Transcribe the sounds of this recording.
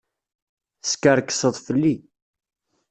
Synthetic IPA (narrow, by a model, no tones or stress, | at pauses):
skəɾkːə̥səðˤfəlːi